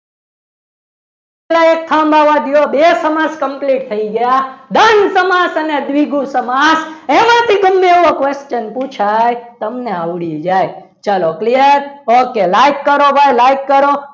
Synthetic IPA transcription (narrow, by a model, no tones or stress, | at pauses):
elaek̚t̪ʰãmbʱaʋad̪ijobesəmaskəmpliʈ̚t̪ʰəiɡəjad̪ənsəmasəned̪ʋiɡusəmasemãt̪ʰiɡəmːeʋokʋest͡ʃənput͡ʃʰajt̪əmneaʋɽid͡ʒaj | t͡ʃalokliəɾokelajkːəɾobajlajkːəɾo